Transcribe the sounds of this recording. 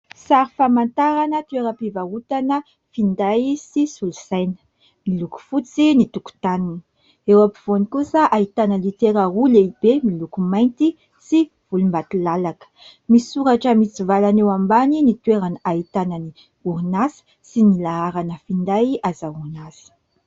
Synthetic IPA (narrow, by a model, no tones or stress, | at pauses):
saɾifamant̪aɾanət̪weɾəpivaut̪anə | find̪ajsisulusajnə̥ | miluku̥fut͡sinit̪uku̥t̪anin | ewapiv̥onikusəʔait̪anəlit̪eɾaɦuleibemilukumajnt̪i | si | v̥ulumbat̪ilalakə̥ | misuɾaʈ͡ʂəmit͡sivalanewambaninit̪weɾanait̪anani | uɾnasi̥ | sinilaaɾanəfind̪ajazaunazi̥